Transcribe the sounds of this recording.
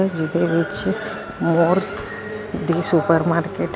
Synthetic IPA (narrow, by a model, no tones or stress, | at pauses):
d͡ʒɪd̪eʋɪt͡ʃ | moɾ | d̪isupəɾmaːɾkeʈ